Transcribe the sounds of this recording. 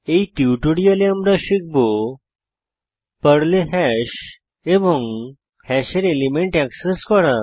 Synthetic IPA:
eiʈiuʈoɽijaleamɾaɕik̚bo | pəɽleɦɛɕ | eʋɔŋ | hɛɕeɾelimeɳʈɛkseskɔɾa

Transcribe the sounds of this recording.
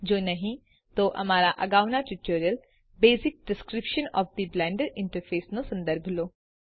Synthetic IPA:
d͡ʒoːnɐɦĩ | t̪oʔɐ̰maːɾaʔɐɡaːʋnaʈɪʈoːɾijəl | beːzɪk̚ɖɪskɾɪpʃənɔ̰ːfd̪iblɛ̃ːɳɖəɾɪ̃ɳʈəɾfʰeːsnõsɐ̃nd̪əɾbʱloː

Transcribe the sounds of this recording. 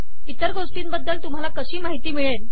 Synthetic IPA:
it̪əɾɡoʂʈiːnbəd̪ːəlt̪um̤alakəɕiːmaɦit̪iːmiɭen

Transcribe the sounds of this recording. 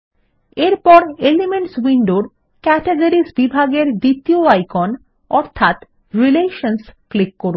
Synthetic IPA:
eɾpɔɾelimeɳʈswiɳɖoɾ | kɛʈeɡaɾisbibʱaɡeɾd̪it̪ioajkon | ɔɾt̪ʰat̪ | ɾileʃonsklikːoɾu

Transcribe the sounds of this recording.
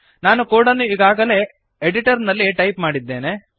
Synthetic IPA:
naːnukuːɽɐnuiɡaːɡɐle̞ː | eɽiʈɐɾnɐlːiʈɐjpmaːɽid̪ːeːne

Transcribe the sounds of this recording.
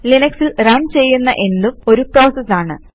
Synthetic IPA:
linɐksilrɐɳt͡ɕe̞jːunːɐʔe̞nːumo̞ɾupro̞ːsɐsːaːɳɨ

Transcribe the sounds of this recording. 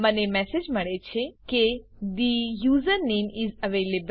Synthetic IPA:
mənemɛsed͡ʒməɭet͡ʃʰeke | d̪ijuːzəɾnẽːmɪzəʋeːleb

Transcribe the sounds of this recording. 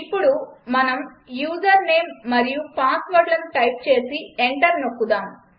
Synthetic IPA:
ipːuɽumɐnɐm | juːzɐɾne̞ːmːɐɾijupaːsʋɐɾlɐnʈɐjp̚t͡ʃe̞ːsieɳʈɐɾnokːud̪aːm

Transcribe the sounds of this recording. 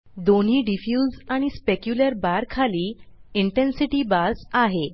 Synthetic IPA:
d̪on̤iːɖifjuːzaɽ̃ispekjuləɾbaɾkʰaliːiɳʈensiʈiːbasaɦe

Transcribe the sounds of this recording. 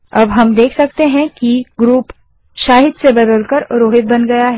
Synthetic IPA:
ɐ̰bɦɐmd̪eːkʰsɐk̚t̪eɦɛ̃kiɡɾuːp | ʃaːɦɪd̪sebɐd̪əlkɐɾɾoːɦɪt̪̚bɐnɡɐjaɦɛ

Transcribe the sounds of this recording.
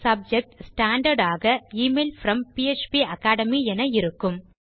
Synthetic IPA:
sɐb̚d͡ʒɛk̚ʈsʈaːɳɖɐɾɖaːɣɐiːmeːlfɾɐmpiet͡ʃpiɐkaːɽɐmiɛnɐɪɾɯkːɯm

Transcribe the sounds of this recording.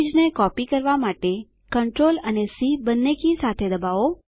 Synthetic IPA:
d͡ʒnekɔpikəɾʋamaʈe | kəɳʈɾolənesibənːekisat̪ʰed̪əbaʋo

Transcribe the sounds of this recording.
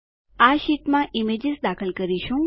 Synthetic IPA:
aʃiʈmãʔimed͡ʒɪzd̪akʰəlkəɾiʃũ

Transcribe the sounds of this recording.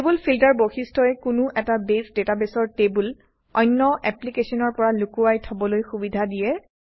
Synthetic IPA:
tebulpʰiltaɹboxistʰɔɛkʊnʊʔɛtabesdetabɛsɔɹtebul | ɔ̰jnːɔʔɛplikesɔnɔɹpɔɹalukuajtʰɔbɔlojxubidʱadijɛ

